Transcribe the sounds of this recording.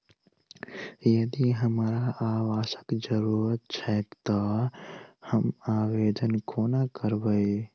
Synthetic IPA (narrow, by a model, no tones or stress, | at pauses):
jəd̪iɦəmɾaʔaʋasə̥kd͡ʒəɾuɾət̪̚t͡ʃʰət̪t̪ɔ | həmawed̪ənkʰonakəɾbəj